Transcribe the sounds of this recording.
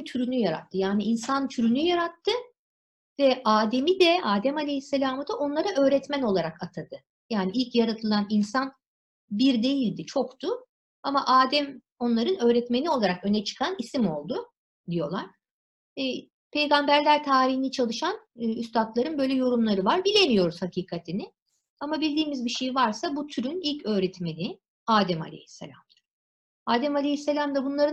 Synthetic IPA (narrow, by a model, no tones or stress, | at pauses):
t̪ʰyɾynyjaɾa̰t̪ʰːɯjaːniinsant̪ʰyɾynyjaɾat̪ʰːɯ | vɛʔaːd̪e̞mid̪ɛaːd̪ɛmalʲejisːelʲaːmɯd̪aʔo̞nlˠaɾaʔø̞ːɾɛt̪mæno̞lˠaɾakat̪ʰad̪ɯ | jaːniilʲcjaɾat̪ʰɯlˠaninsan | biɾd̪e̞jilʲd̪it͡ʃʰo̞kt̪ʰʊ | amaʔaːd̪ɛm | o̞nlˠaɾɯnø̞ːɾɛt̪me̞nio̞lˠaɾakø̞nɛt͡ʃʰɯ̥kʰanisimo̞lˠd̪ʊ | d̪ijo̞lˠaɾ̥ | pʰe̞jɡambæɾlʲæɾt̪ʰaːɾiɦinit͡ʃʰalˠɯʃanɯyst̪ʰat̪lˠaɾɯnbø̞jlʲɛjo̞ɾumlˠaɾɯvaɾbilʲe̞mijo̞ɾuz̥hacʰiːkʰat̪ʰinɪ | amabilʲd̪iːmizbiʃe̞jivaɾsabut̪ʰyɾynilʲcø̞ːɾɛt̪me̞nɪ | aːd̪ɛma̰lʲḛhi̥sːelʲa̰md̪ḁ | aːd̪ɛmalʲehisːelʲamd̪abunlˠaɾɯ